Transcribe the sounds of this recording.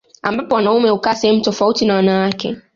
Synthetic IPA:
ambapɔwanaumɛhukasɛhɛmutɔfautinawanawakɛ̰

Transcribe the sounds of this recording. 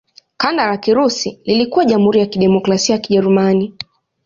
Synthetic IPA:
kandaɾakiɾusililikuwaʄam̩huɾijakiɗɛmɔkɾasiajakiʄɛɾumani

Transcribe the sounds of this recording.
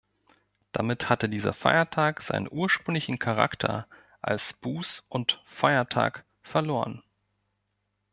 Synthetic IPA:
d̥amɪthatədiːzɐ̰fa̰ɪɐtʰaːkz̥a̰ɪnə̰nʔuːɐʃpʁ̥ʏŋlɪçn̩kʰaʁa̰ktʰɐ̰ | ʔa̰lsb̥uːsʔʊntfaɪɐtʰa̰ːk | fɛɐloːʁən

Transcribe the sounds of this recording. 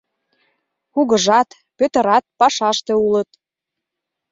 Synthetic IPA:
xuɣə̆ʒɑt̪ | pøt̪ə̆ɾɑt̪̚pɑʃɑʃt̪ĕulət̪̚

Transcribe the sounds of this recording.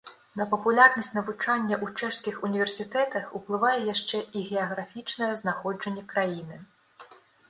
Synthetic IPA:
nɐpɐpulʲarnɐsʲtʲnɐvut͡ʂanʲːɐʔut͡ʂɛʂskʲixunʲivʲɛrsʲit̪ɛt̪ɐxuplˠɨvajɛjaʂt͡ʂɛʔiɣʲɛɐɣɾafʲit͡ʂnɐjɛznaxɔd͡ʐɐnʲːɛkɾajinɨ

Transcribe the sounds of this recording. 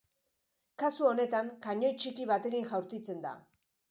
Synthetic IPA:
kasuo̞ne̞t̪aŋkaɲo̞jt͡ʃikiβat̪e̞kiŋʝawɾt̪it͡se̞nd̪a̰

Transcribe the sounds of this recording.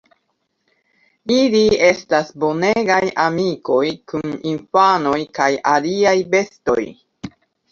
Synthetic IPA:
ilie̞stasbo̞ne̞ɡajamiko̞jkuninfano̞jkajaliajbe̞sto̞̰j

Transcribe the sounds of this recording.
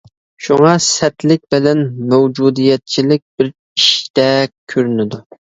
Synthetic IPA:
ʃuŋɑsɛt̪lɪk̚ʲbɪlɛnmɛwd͡ʒud̪ijɛt̪̚t͡ʃʰilɪk̚ʲbɪɾ | iʃt̪ɛkʲʰøɾynɪd̪u

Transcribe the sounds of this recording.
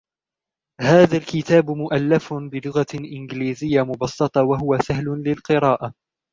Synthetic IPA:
haːðalkɪt̪aːbmʊʔalːafbɪlʊɣaʔɪnɡliːzɪjːamʊbɑsˤːɑt̪ˤɑwaɦʊwasahlʊlɪlqɨɾɑːʔa

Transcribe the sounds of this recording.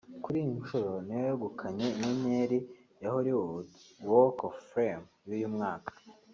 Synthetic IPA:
kuɾijiɲʃoɾo̞nijojoɡukʰaɲe̞iɲeɲeɾi | jahuɾiwokofɾemjujumŋaːkḁ

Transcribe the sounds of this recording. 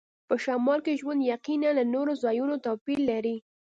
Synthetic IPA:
pəʃɑmɑlkeʒwand̪jaqinanlanoɾozɑjunot̪ɑpilːaɾi

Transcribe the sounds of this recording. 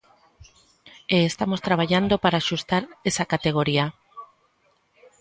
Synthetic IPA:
eːst̪amost̪ɾaβ̞aʎand̪opaɾaːʃust̪aɾesakat̪eɣ̞oɾia

